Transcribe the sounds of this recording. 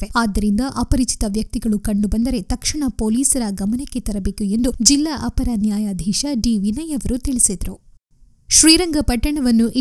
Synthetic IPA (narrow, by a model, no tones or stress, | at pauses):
ʋeaːd̪ːɐɾind̪ɐʔɐpɐɾit͡ʃi̥t̪ɐʋjɐk̚t̪iɡɐɭukɐɳɖubɐnd̪ɐɾe̞t̪ɐkʂiɳɐpoːliːsɐɾɐɡɐmɐnekːe̞t̪ɐɾɐbe̞ːkue̞nd̪ud͡ʒilːaʔɐpɐɾɐnjaːjaːd̪ʱiːʃɐɖiːʋinɐjɐʋɐɾut̪iɭisid̪ɐɾu | ʃɾiːɾɐŋɡɐpɐʈːɐɳɐʋɐnːuʔi